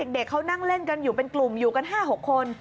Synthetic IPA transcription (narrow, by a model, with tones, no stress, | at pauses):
e˨˩k̚de˨˩kʰːa˦˥wna˥˩ŋle˥˩nka˧njuː˨˩pe˧nklu˨˩mjuː˨˩ka˧nɦaː˥˩ɦo˨˩kʰːo˧n